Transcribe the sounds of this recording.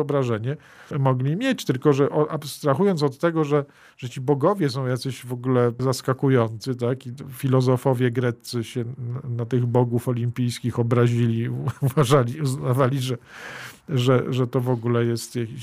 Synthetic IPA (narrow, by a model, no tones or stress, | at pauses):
ɔbɾaʐɛɲɛ | mɔɡlʲimʲjet͡ɕt̪ɘlkɔʐɛʔɔʔapst̪ɾaxujɔnt̪sɔt̪ːɛɡɔʐɛ | ʐ̥ɛt͡ɕibɔɡɔvʲjɛs̬ɔ̃w̃jat̪sɛʑvɔɡulɛzaskakujɔnt̪sɘt̪akifʲilɔzɔfɔvʲjɛɡɾɛt̪sɘɕɛnat̪ɘɣbɔɡufɔlʲimpʲijskʲixɔbɾaʑilʲiuvaʐalʲiuznavalʲiʐɛ | ʐɛʐɛt̪ɔvɔɡulɛjɛst̪jakʲiɕ